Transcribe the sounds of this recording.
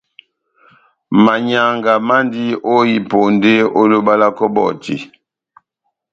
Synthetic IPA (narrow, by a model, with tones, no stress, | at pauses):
ma˨ɲa˨ŋɡa˨ma˦ndi˦o˦ji˨po˨nde˦o˦lo˦ba˦la˦kɔ˦bɔ̰˦˨tḭ˨